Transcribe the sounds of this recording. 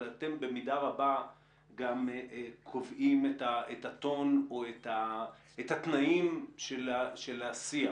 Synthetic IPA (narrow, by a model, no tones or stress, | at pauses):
ate̞mbe̞midaʁaba | ɡamkʰo̞vʔimetaetat̪o̞noet̪a | ethat̪naimʃelaʃelasia